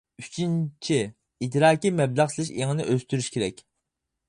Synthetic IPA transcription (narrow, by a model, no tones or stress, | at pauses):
yt͡ʃʰint͡ʃʰi | it̪ɾɑːkʲimɛblˠæʁt͡ʃ̪ʰilˠɪʃeŋɨnɪʔøst̪yɾyʃkʲʰeɾɛkʲ